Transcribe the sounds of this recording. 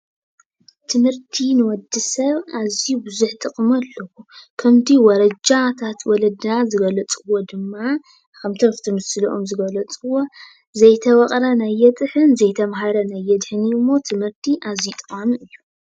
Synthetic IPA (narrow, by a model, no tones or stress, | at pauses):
t̪ʰɨmhɨɾt̪ʰinɨwɔd̪ːɨsɐβazibɨzuħt̪ʼɨqʼmɐlːɐwukʰɐmt̪ʰiwɔɾɐd͡ʒat̪ʰat̪wɔlɐd̪nazɨɡɐlɐt͡sʼɨwo̞d̪ɨmːa | kʰɐmt̪ʰɐft̪ʰɨmɨsɨlʔomzɨɡɐlɐt͡sʼɨwo̞ | zɐjt̪ʰɐwɐqʼɾɐnajːɛt̪ʼɨħɨnzɐjt̪ʰɐmɦaɾɐnajːɛd̪ħɨnimːo̞t̪ʰɨmhɨɾt̪ʰiʔazit̪ʼɨqʼamʔɨjːu